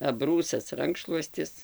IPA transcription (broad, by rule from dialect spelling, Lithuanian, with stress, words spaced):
ɐˈbruːsɐs ˈrɐŋkʃlˠuɔsʲtʲɪs